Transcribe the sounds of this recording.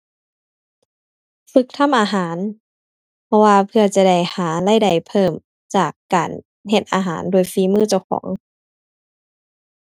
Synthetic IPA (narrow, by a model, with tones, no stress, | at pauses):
fɯ˧˦k̚t̪ʰa˧˥˨mʔaː˨ɦaː˩˦n | pʰɔ˧waː˧pʰɯ˧ɐt͡ɕa˧da˧˩jhaː˩˦la˧˥˩jda˨˩jpʰɤː˧˥˩m | t͡ɕaː˨˩kːaː˨˩n | ɦe˧t̪̚ʔa̰ː˨˩ɦaː˩˦ndou˧˩jfiː˧˦mɯː˧˥˩t͡ɕa˧˩wkʰɔ̰ː˩˦ŋ